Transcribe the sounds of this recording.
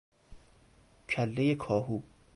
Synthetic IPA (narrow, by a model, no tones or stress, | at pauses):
cʰælːejekʰɒːɦuː